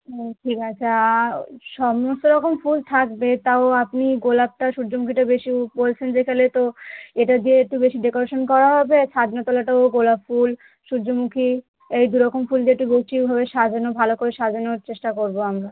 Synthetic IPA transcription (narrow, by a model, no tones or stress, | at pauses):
oʈʰikat͡ɕʰa | ʃɔmost̪oɾɔkomfult̪ʰakbet̪aoapniɡolab̚ʈaʃuɾd͡ʑomukʰiʈabeʃibolt͡ɕʰend͡ʑekʰalet̪oeʈad̪ieek̚ʈubeʃiɖekoɾaʃonkɔɾaɦɔbet͡ɕʰad̪not̪ɔlaʈaoɡolabful | ʃuɾd͡ʑomukʰi | ejd̪uɾɔkomfuld̪ieek̚ʈubot͡ɕibʱaβeʃad͡ʑʱonobʱalokoɾeʃad͡ʑonoɾt͡ɕeʃʈakoɾboamɾa